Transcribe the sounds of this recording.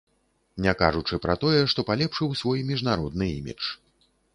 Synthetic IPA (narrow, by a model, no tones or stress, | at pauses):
nʲaka̰ʐut͡ʂɨpɾɐt̪ɔjɛʂt̪ɔpalʲɛpʂɨwsvɔjmʲiʐnaɾɔd̪̚nɨḭmʲḭt͡ʂ